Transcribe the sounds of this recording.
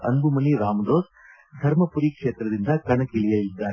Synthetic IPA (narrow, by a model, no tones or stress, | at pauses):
ɐ̰nbumɐniɾaːmɐd̪oːs | d̪ʱɐɾmɐpuɾikʂeːt̪ɾɐd̪ind̪ɐkɐɳɐkilijɐlid̪ːaːɾ